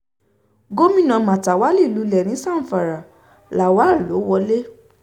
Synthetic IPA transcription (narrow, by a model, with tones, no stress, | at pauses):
ɡo˦mĩ˦˨nã˧mã˨ta˨wa˨˦li˦˨lu˨˧˦lɛ˨nĩ˨˦sã˦˨fa˨ɾa˨ | la˨wa˨˦˨lo˨˦wɔ˧le˦